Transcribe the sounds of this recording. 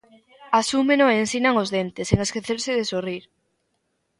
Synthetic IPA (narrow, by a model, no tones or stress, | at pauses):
asumenoensinaŋozðent̪eseŋeskeθeɾsɪðesoriɾ